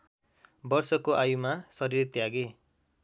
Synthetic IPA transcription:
bʌrsʌkoʔajumasʌɾiɾit̪jaɡe

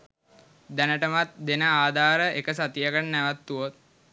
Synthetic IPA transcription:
d̪ænəʈəmat̪̚d̪enəaːd̪ʱaːɾəʔekəs̬at̪ijəɡəɳnːɛʋat̪ːuot̪̚

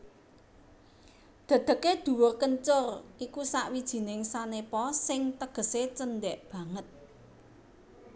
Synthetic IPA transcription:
d̪̥ä̤d̪̥ə̤ked̪̥ṳwʊrkəɲt͡ʃʊrʔikusaʔwid̥ʒ̥i̤nɪŋsanepɔsɪŋt̪əɡ̥ə̤set͡ʃəndɛʔb̥ä̤ŋət̪̚

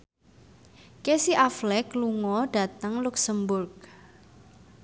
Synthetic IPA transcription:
kesiʔaflɛkluŋɔɖ̥a̤t̪əŋluksəmbʊrk̚

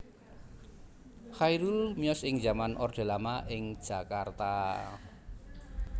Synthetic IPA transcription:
xaiɾulmiɔsɪŋd͡ʒamanʔɔrd̪̥e̤lamaʔɪŋd̥ʒ̥ä̤kart̪a

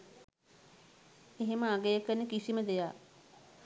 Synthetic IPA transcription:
eɦeməaɡejəkənːekisiməd̪ejaː

